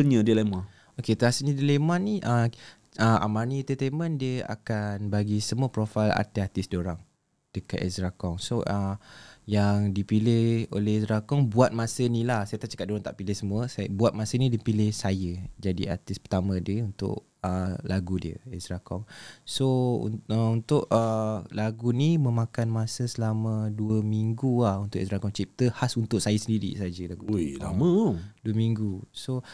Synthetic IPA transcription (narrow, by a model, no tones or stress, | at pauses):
əɲə̃diəlemã | oket̪əasənə̃dilemanniʔə | əʔa̰manit̪ət̪emə̃ndiəa̰kanbaɡisəmuəpɾofala̰rt̪iat̪ɪsdioɾaŋ | d̥əka̰t̪ɛ̰sɾakɔŋsoʔəjaŋdipilɪho̰lɛɛsɾakɔŋbuat̪̚mãsənilahsajət̪aʔ̚t͡ʃḁkat̪̚doɾaŋt̪aʔpilɪhsəmuəsabuat̪̚masənĩdipilɪhsajəd͡ʒadḭat̪ɪspət̪amə̃dəunt̪ʊ̰ʔ | əlaɡudiə̰ɛsɾakɔŋsoṵəunt̪ʊʔəlaɡunimə̃mãkanmasəsəlamə̃duəmiŋɡulahunt̪ʊʔɛsɾakɔŋt͡ʃip̚t̪əhasunt̪ʊʔ̚sajəsəndiɾḭsad͡ʒəlaɡula̰mə̃duəmĩŋɡuso